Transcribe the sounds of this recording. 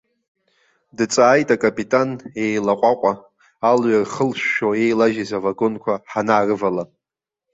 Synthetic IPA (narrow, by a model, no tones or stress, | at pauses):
dɨt͡sʼaːjtʼakʼapʼitʼane̞jlaqʷʼaqʷʼaː | lɥarχəlʃʃoe̞jlaʒizavaɡo̞nkʷʰaħanaːrɨvala